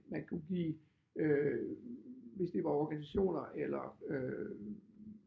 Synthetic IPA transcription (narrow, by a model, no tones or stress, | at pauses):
mænkʰuɡ̥ḭː | ø | ʋe̝sd̥e̝ʋɑ̈ɒɡ̥ænisæɕo̝̰ːnɐʔelɐø